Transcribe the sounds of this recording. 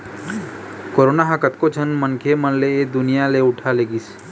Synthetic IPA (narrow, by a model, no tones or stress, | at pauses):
koɾonaɦakət̪kot͡ʃʰənmənkʰemənleed̪ʊnijaleʊʈʰaleɡis